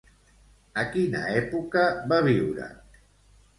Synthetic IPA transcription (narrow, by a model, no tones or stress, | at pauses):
əkinə̰ɛpukəβaβiwɾə̰